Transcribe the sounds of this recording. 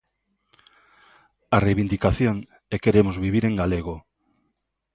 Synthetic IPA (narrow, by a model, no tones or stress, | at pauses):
arejβind̪ikaθjoŋ | ɛkeɾemozβiβ̞iɾeŋɡaleɣ̞o